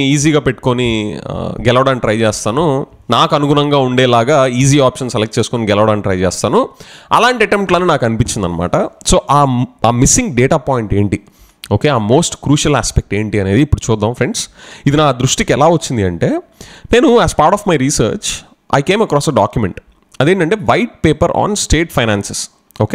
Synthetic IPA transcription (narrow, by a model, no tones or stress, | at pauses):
iːz̬iːɡaːpe̞ʈːu̥ko̞ni | ɡɛlɐʋɐɽaːniʈɾɐjt͡ʃɛːst̪aːnu | naːkɐnuɡunɐŋɡaːuɳɖɛːlaːɡaːiːziːaːpʂɐnsɛlek̚ʈ̚t͡ʃe̞ːsukoːniɡɛlɐʋɐɽaːniʈɾɐjt͡ʃɛːst̪aːnuɐ̰laːɳʈiɐʈempʈlaːnːiːnaːkɐnipiɲt͡ʃind̪ɐ̰nɐma̰ːʈɐso̞ːʔaːaːmisiŋɡɖeːʈaːpaːjiɳʈe̞ːɳʈi | o̞ːkeːaːmo̞ːsʈkɾuːʂɐla̰ːspek̚ʈe̞ːɳʈiːɐne̞ːd̪iːpːuɽut͡ʃuːd̪ːaːmfɾeɳɖsid̪inaːd̪ɾuʂʈikɛlaːʋɐt͡ʃːind̪iɐɳʈe̞ːne̞ːnuæːspaːɾʈɔːfmɐjɾiːsɐ̰ːɾt͡ʃ | ʔɐ̰jke̞ːmɐkɾɔːsɐɖa̰ːkjumḛɳʈ | ɐd̪eːɳʈɐɳʈe̞ːʋɐjʈ̚peːpɐɾʔa̰ːnsʈeːʈpʰɐjnaːnses | oːkeː